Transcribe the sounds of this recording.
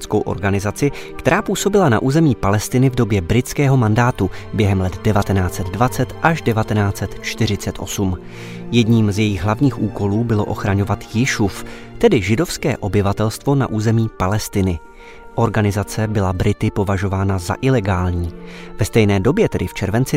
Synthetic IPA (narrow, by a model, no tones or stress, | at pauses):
t͡skowʔo̞̰ɾɡanɪzat͡sɪkt̪ɛɾaːpuːso̞bɪlana̰ʔuːzɛmiːpalɛst̪ɪnɪvdo̞bjɛbɾɪt͡skɛːɦo̞mandaːt̪ubjɛɦɛmlɛt̪dɛvat̪ɛnaːt͡sɛd̪dvat͡sɛt̪ʔaʒdɛvat̪ɛnaːt͡sɛt̪t͡ʃt̪ɪr̝ɪt͡sɛt̪ʔo̞̰sum | jɛdɲiːmzjɛjɪɣɦlavɲiːxʔuːko̞luːbɪlo̞̰ʔo̞xɾaɲo̞vat̪jɪʃuf | t̪ɛdɪʒɪdo̞fskɛ̰ːʔo̞bɪvat̪ɛlst̪vo̞naʔuːzɛmiːpalɛst̪ɪnɪ | ʔo̞ɾɡanɪzat͡sɛbɪlabɾɪt̪ɪpo̞vaʒo̞vaːnaza̰ʔɪlɛɡaːlɲiːvɛst̪ɛjnɛːdo̞bjɛt̪ɛdɪft͡ʃɛɾvɛnt͡sɪ